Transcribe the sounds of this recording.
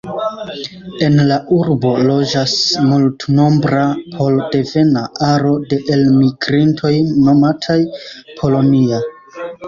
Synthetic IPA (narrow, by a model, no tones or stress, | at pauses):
e̞nlaʔuɾbo̞lo̞d͡ʒasmultno̞mbɾapʰo̞lde̞ve̞naʔaɾo̞de̞ʔe̞lmiɡɾintʰo̞jno̞matʰajpʰo̞lo̞nia